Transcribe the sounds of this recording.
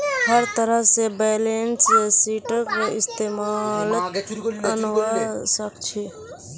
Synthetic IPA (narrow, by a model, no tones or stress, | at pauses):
həɾt̪əɾəɦsebɛːlensesiːʈəkɾeɪst̪eːmal | ənʋəsək̚t͡ʃʰe